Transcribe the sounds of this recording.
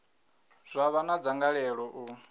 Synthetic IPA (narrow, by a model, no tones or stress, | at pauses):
z̥ʷaβanad͡zaŋɡaɺɛɺɔʔu